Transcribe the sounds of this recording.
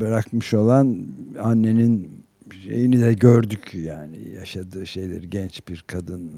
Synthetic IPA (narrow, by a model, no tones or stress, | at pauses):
bɛɾakmɯʃo̞lˠananːe̞nin | ʃe̞̰jinid̪ɛɟøɾd̪ycjaːnḭjaʃad̪ɯːʃe̞jlʲɛ̰ɾɟɛnt͡ʃbiɾkʰad̪ɯn